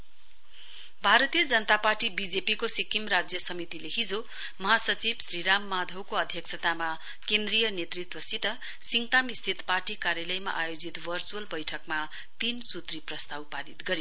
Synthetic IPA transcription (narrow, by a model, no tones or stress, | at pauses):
bʱaɾʌt̪ijʌd͡zʌnʌt̪aparʈibid͡zepikosikimrad͡zjʌsʌmit̪ileɦid͡zo | mʌɦasʌt͡sibsriɾamːad̪ʱʌwkoʌd̪ʱjʌksʰʌt̪ama | kend̪rijʌnet̪rit̪wʌsit̪ʌ | siŋt̪amist̪ʰit̪parʈikaɾjalʌjma̰ʔajod͡zit̪bʱʌrt͡suʌlbʌjʈʰʌkma | t̪insut̪riprʌst̪awpaɾit̪ɡʌɾjo